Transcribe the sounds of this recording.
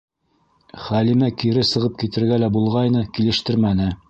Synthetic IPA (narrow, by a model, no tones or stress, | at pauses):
χælimækiɾɘsɤ̆ʁɤp̚kit̪ɘ̆ɾɡælæbulˠʁɑjnɤkilɘ̆ʃt̪ɘɾmænɘ